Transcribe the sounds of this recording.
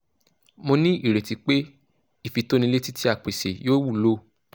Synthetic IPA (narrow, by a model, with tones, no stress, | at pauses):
mo˧nĩ˦i˦˨ɾe˨ti˧k͡pe˦ | i˦˨fi˨˧to˦nĩ˧le˦ti˦ti˦a˦˨k͡pe˨se˨joː˦wu˦˨lo˦